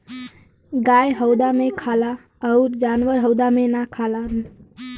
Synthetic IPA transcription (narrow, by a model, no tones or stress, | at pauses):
ɡajɦəwd̪amekʰala | əʊɾd͡ʒanʋəɾɦəwd̪amenakʰala